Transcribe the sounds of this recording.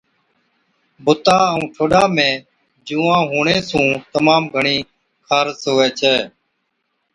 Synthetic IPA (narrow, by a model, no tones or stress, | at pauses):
bʱʊt̪aːəũːʈʰoːɗaːmẽː | d͡ʒũːãːɦuːɳeːsũːt̪əmaːmɡʱəɳiː | kʰaːɾsɦʊːʋɛːt͡ʃʰɛː